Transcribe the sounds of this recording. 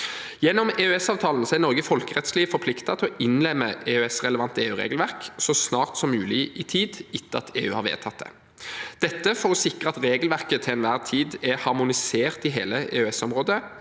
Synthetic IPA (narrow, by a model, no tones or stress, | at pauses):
jɛnːɔmeːʉɛsɑːʋt̪ʰɑːln̩sɔæɾnɔʁɡəfɔlkəʁɛt̪sliːfɔɾpʰlɪkt̪ɑt̪ʰɪɔʔɪnlɛmːəeːʉɛsʁɛləʋɑnt̪əeːʉːʁḛːɡl̩ʋæʁksɔsnɑːʁt̪sɔmʉːlɪɪt̪ʰiːd̪ɪt̪ːəɑt̪ʰḛːʉ̰ːhɑːʁʋḛːt̪ʰɑt̪̚d̪ɛ̰ | d̪̥ɛt̪ːəfɔʁɔsɪkʁəɑt̪ɾeːɡlʋæʁkət̪ʰɪɛnʋæːʁt̪ʰiːd̪ɛhɑʁmʊnɪseːʁt̪ɪɦḛːləḛːʉɛsɔmʁoːd̪ə